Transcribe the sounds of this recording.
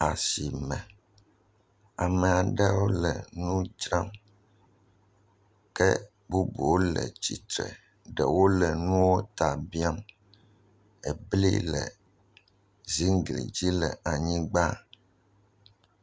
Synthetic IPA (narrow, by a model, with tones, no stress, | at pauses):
a˨si˨mɛ̃˨ | a˨mɛ̃˨a˨ɖɛ˦wo˦lɛ˨nũ˦d͡ʒɾa˦m | kɛ˦ | bu˦bu˨wo˦lɛ̰˨t͡ɕi˨t̪ɾɛ̰˨ | ɖɛ˨wo˦lɛ˨nũ˦wo˦t̪a˨bi˦a˦m | ɛ˨blḭ˦lɛ̰˨ | zi˦ŋ˦ɡlḭ˨d͡ʑi˦lɛ˨a˨ɲĩ˦ɡ͡ba˦